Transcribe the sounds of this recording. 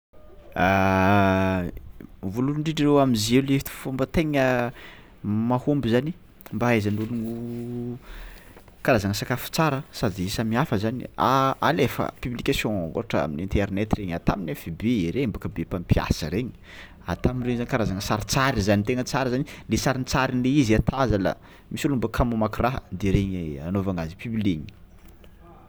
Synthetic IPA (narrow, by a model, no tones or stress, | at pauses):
a | vuluɳɖ͡ʐiɖ͡ʐirewamizelefi̥t̪u̥fumbət̪eŋə | mahumbizani | mbaazanuluŋu | kaɾazaŋəsakafu̥t͡saɾəsad̪iesəmiafəzanḭaalefə̰pyblikasjɔ̃o̰ɾaʈ͡ʂəa̰minint̪ɛɾnɛt̪ireɲat̪aminefibeeɾeimbakəbepampia̰səɾeɲi̥ | at̪aminreɲzanikaɾazaŋəsaɾt͡saɾizanit̪eŋət͡saɾəzanilesaɾint͡saɾinleiziat̪ʰazala̰ | misilumbəkʰamumakiraɦə̰d̪eɾeɲeanovaŋazipybliɲi̥